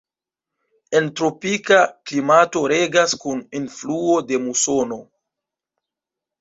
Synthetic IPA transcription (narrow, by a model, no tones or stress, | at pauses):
e̞ntɾo̞pikaklimato̞ɾe̞ɡaskuninfluode̞muso̞no̞